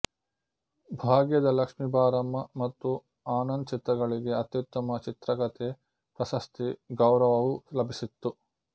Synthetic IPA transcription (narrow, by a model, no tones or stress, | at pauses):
bʱaːɡjɐd̪ɐlɐkʂmibaːɾɐmːɐmɐt̪ːu | aːnɐnt͡ʃit̪ɐɡɐɭiɡe̞ɐt̪jut̪ːɐmɐt͡ʃit̪ɾɐkɐt̪e | pɾɐsɐst̪iɡɐwɾɐʋɐʋulɐbʱisit̪ːu